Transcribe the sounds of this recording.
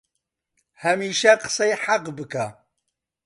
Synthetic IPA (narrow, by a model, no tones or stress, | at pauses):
hɐmiːʃaqə̥sɐjħaqbɨkʰa